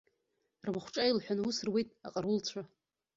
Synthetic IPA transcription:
rmaχʷʈ͡ʂʼailħʷᶣanwusɨrwejtʼa̰qʼarult͡ɕʷʰa

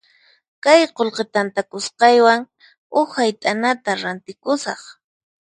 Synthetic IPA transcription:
kajqolqet̪ant̪akʊsqɑjwaŋ | ʊxhajt̪ʼanat̪aɾant̪ɪkʊsɑχ

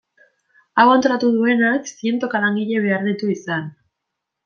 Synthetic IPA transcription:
awant̪o̞ɾat̪uðue̞naksie̞nt̪o̞kalaŋɡiʎe̞β̞e̞aɾðit̪uisan

